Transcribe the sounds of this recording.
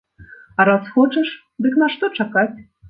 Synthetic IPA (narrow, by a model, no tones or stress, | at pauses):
ɑɾasxot͡ʃəʂ | d̪ɨknaʂt̪ot͡ʃakatʲ